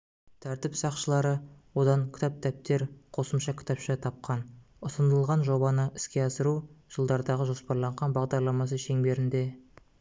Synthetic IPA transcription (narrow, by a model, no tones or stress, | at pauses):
t̪ʰæɾt̪ɪpsɑqʃəlˠɑɾəwo̞d̪ɑŋkʲɪ̥t̪ɑp̚t̪ʰæp̚t̪e̞ɾqʰo̞səmʃɑkʲʰɪ̥t̪ɑpʃɑt̪ʰɑp̚qɑn | ʊsənd̪əlˠʁɑnʒo̞bɑnəʔɪskʲe̞ɑsəɾuʒ̥əlˠd̪ɑɾd̪ɑʁəʒo̞spɑɾlˠɑɴʁɑnbɑʁd̪ɑɾlˠɑmɑs̬əʃe̞ŋbe̞ɾɪnd̪e̞